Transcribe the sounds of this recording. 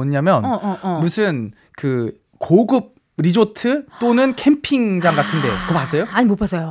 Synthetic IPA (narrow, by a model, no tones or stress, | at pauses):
ʌɲamjʌnmusʰɯn | kɯ | koɡɯp̚ | ɾid͡ʑotʰɯt͈onɯnkʰe̞mpʰiŋd͡ʑaŋɡatʰɯnde̞kʌpas͈ʌjoaɲimopʰas͈ʰʌjo